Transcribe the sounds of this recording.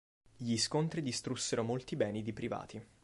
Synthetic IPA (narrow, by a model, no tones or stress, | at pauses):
ʎiskont̪ɾid̪ist̪ɾusːeɾomolt̪ibɛːnid̪ipɾiva̰ːt̪ʰi